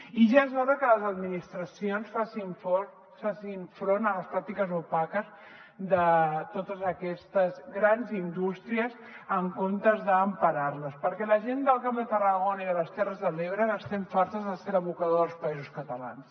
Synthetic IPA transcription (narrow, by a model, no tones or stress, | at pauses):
iʒazβaðəkələzəd̪minist̪ɾəsionsfasiɱfo | fasiɱfɾonələspɾak̚t̪ikəzupakəz | d̪ət̪ot̪əzəkɛst̪əzɣɾanzind̪ust̪ɾiəz | əŋkomt̪əzðəːmpəɾarləspəɾkɛləʒend̪əlˠkapd̪ət̪ərəɣonəiðələst̪ɛrəzðəleβɾəɣəst̪ɛɱfaɾt̪əzðəseɾəβukəðoðəlˠspəizuskət̪əla̰ns